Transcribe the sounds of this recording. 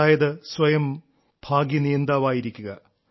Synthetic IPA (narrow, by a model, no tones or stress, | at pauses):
aːjɐðɨsʋɐjɐm | bʱaːɡjɐnijɐnd̪aːʋaːjiɾikʲːuɣɐ